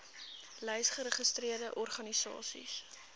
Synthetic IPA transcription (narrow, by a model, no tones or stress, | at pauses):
lɛjsχəɾəχəstriərdəʔɔrχɐnisɑ̰ːsḭs